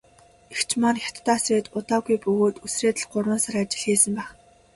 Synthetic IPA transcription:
ext͡ɕʰmanxʲjat̪ːaːsreːt̪ʊt̪aːɣujpɵɣoːt̪ɵsreːt̪ə̆ɮɢʊrwə̆nsaɾat͡ɕɪ̆ɮxeːsə̆mpæːχ

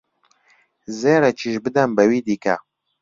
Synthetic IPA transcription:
zeːɾɛt͡ʃʰiʃbɨd̪ɐnbɛwiːd̪iːkɛ̰

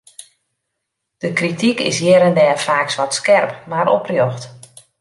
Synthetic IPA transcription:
d̥əkritikɪ̰sjɛɾəndɛːəfaːksʋɔtskɛrpmaɾɔ̰prjoxt

